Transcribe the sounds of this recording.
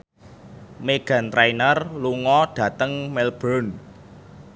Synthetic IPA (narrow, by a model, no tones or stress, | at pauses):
meɡ̥a̤nt̪ɾajnərluŋɔɖ̥ä̤t̪əŋmɛlb̥ɾɔn